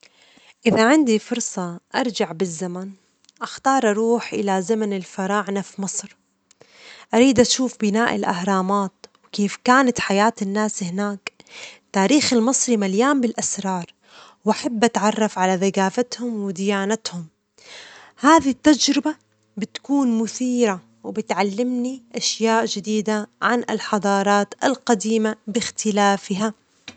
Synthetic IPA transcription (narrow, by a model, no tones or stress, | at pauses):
ʔɪðaʕɪnd̪ifʊɾˤsˤɑʔɑɾˤd͡ʒaʕbɪzːaman | ʔaxt̪ɑːɾˤʔɑɾuːħʔɪ̰lazamanɪlfɑɾˤɑːʕnafmɨsˤɾ | ʔaɾiːd̪ʔaʃuːfbɪnaːʔɪlʔa̰hɾˤɑːmaːt̪wkeːfkaːnat̪ħajaːt̪ɪnːaːshɪnaːkt̪aːɾiːxalmɨsˤɾimaljaːmbɪlʔasɾˤɑːɾˤ | wʔaħabːʔat̪ʕɑrˤːɑfʕalaðaɡaːfat̪hʊmwɪd̪ɪjaːnat̪hʊm | haːðit̪ːad͡ʒɾɪba | bɪt̪kuːnmʊθiːɾa | wɪbɪt̪ʕalːɪmniʔaʃjaːʔd͡ʒɪd̪iːd̪aʕanɪlħɑd̪ˤɑːɾˤɑːt̪ɪlqɑd̪iːmabɪxt̪ɪlaːfɪɦa